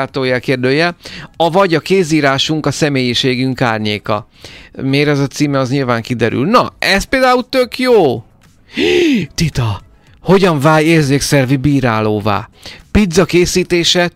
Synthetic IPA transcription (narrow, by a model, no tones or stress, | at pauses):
aːt̪oːjɛlkeːrd̪øːjɛlɒvɒɟɒkeːziːɾaːʃuŋkɒsɛmeːjiʃeːɡyŋkaːrɲeːkɒ̰ | meːɾɛzɒt̪siːmɛɒzɲilvaːŋkid̪ɛɾy̰lnɒɛst̪peːld̪aːult̪økjoː | t̪it̪ɒ | ho̞ɟɒɱvaːjeːrzeːksɛrvibiːɾaːloːva̰ːpid̪zɒkeːsiːt̪eːʃɛ